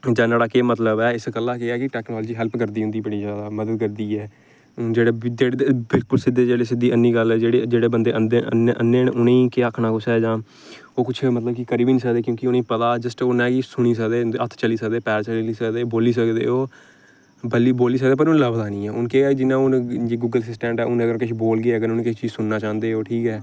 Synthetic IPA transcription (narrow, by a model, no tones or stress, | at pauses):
d͡ʒãːnaːɽaːkeːmət̪ləbɛːɪskəlːãːkeɛːkɪʈɛːknɔːld͡ʒiːɦɛlpʰkəɾd̪iːɦʊ̃nd̪iːbəɽiːd͡ʒjaːd̪aːməd̪əd̪̚kəɾd̪iːɛː | d͡ʒeːɽeːd͡ʒeːɽbɪlkʊlsɪd̪ːeːd͡ʒeːɽeːs̬ɪd̪ːiːənːiːɡəlɛːd͡ʒeːɽeːd͡ʒeːɽeːbənd̪eːʔənd̪eə̰neʔənːeːnʊnĩːkeakʰnaːkʊt͡ʃʰɛːd͡ʒãː | oːkʊt͡ʃʰmət̪ləbkikəɾiːbiːnĩːsəkd̪eːkjõːkɪʊnĩːpət̪aːd͡ʒəsʈoːnɛ̃ːkisʊɽ̃iːs̬əkd̪eːət̪ʰt͡ʃəliːsəkd̪eːpɛːɾt͡ʃəliiːsəkd̪eːboːliːs̬əkd̪ḛːoː | bəliboːliːs̬ək̚d̪eːpəɾʊnləbd̪aːnĩːɛːʊnkeːaːd͡ʒɪnːãːʊnd͡ʒiːɡuːɡəlsɪsʈɛ̃ːɳʈɛːʊnəɡəɾkɪʃʰboːlɡeəɡəɾʊneːkɪt͡ʃiːzsʊnːaːt͡ʃãːnd̪eːoːʈʰiːkɛː